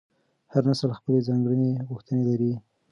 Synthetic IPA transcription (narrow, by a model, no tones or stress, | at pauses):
haɾnasəlxpəlezɑŋɡɽəneɣʊxt̪ənelaɾi